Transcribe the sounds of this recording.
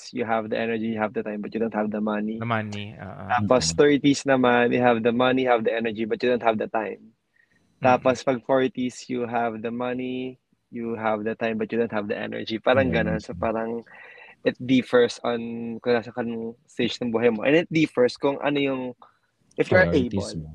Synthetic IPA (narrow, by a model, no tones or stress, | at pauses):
sjʊɦɐvd̪ɐʔɛnɛɹd͡ʒijʊhɐvd̪ɐt̪ãjmbɐt̪̚jʊdow̃nt̪̚hɐvd̪ɐmɐniiʔt̪aːpost̪ɛɹt̪isnɐmanjʊɦavd̪ɐmɐnijhavd̪ɐʔɛnɛɹd͡ʒibɐt̪̚jɨdownt̪hɐvd̪ɐt̪ajm | t̪aːpospɐɡ̚foɹt̪isjuɦavd̪ɐmɐni | juɦɐvd̪ɐt̪ãjmbɐt̪̚jud̪õwnt̪̚hɐvd̪ɐʔɛ̰nɛ̰ɹd͡ʒipaːɾɐŋɡɐnonsopaːɾɐŋʔɪt̪̚d̪ifɛɹsɐnkʊŋaːsɐkɐnʊŋst̪et͡ʃnɐŋbuːɦɐjmoʔɛ̰nɪt̪̚d̪ifɛɹskʊŋʔɐ̰nojʊŋ | ʔɪfjuaʔejbl